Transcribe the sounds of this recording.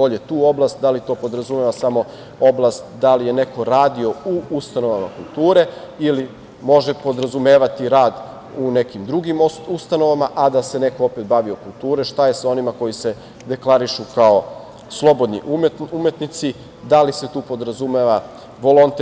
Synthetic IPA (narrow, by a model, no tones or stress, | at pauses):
oʎet̪uːo̞blˠast̪̚d̪alit̪o̞ːpo̞d̪ɾazumeːʋasamo̞ | o̞blˠast̪d̪alije̞ne̞ko̞ɾaːd̪io̞uust̪ano̞ʋama̰kulˠt̪uːɾe̞ | ili | mo̞ʒepo̞d̪ɾazumeːʋat̪iɾaːd̪ | une̞kimd̪ɾuɡimust̪ano̞ʋamaʔad̪ase̞ne̞ko̞ope̞t̪̚baʋio̞kulˠt̪uːɾeʃt̪aje̞sao̞nimako̞jise̞ | d̪e̞klˠaɾiʃukao̞ | slˠo̞bo̞d̪nḭʔmume̞t̪nit̪si | d̪aliset̪uːpo̞d̪ɾazumeʋa | ʋo̞lont̪